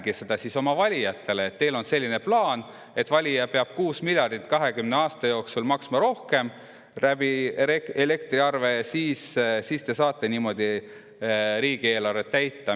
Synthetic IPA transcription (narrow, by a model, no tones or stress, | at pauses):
ɡ̥ised̪̥ɑsiso̞mɑvɑlʲijɑt̪ːˑe̞leːt̪ːe̞jlo̞nse̞lʲːine̞plɑːn | e̞t̪vɑlʲijɑpe̞ɑb̥kuːsmilʲjɑrd̪̥it̪ːˑkɑɦe̞kymneɑːst̪ɑjo̞ːksulmɑksmɑɾo̞hke̞m | ræb̥ieele̞kt̪riɑrve̞siːssist̪esɑːt̪ːˑeniːmo̞d̪̥i | ɾiːɡ̥ie̞ːlɑret̪t̪ːæjt̪ːɑ